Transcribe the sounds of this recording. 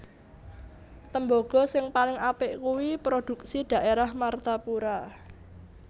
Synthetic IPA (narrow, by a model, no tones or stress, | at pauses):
t̪əmboɡ̥ɔ̤sɪŋpalɪŋapɪʔkuwipɾod̪̥ṳk̚sid̪̥ä̤ʔeɾahmart̪apuɾa